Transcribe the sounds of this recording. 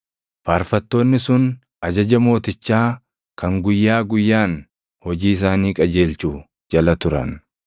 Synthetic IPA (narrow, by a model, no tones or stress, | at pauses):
faːɾfɐt̪ːo̞ːnːɪsʊn | ɐd͡ʒɐd͡ʒɐmo̞ːt̪ɪt͡ʃːaː | kʰɐŋɡʊjːaːɡʊjːaːn | hɔd͡ʒiːɪs̬aːniːkʼɐd͡ʒe̞ːlt͡ʃuː | d͡ʒɐlɐt̪ʊɾɐ̰n